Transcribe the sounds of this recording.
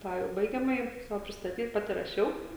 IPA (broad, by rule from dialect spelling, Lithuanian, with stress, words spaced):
ˈtɑː jɛʊ ˈbɐɪɡʲɛmɐjɪ ˈsɑːʋoː pʲrʲɪstɐˈtʲiːt ˈpɑːtʲɪ rɐˈʃʲɛʊ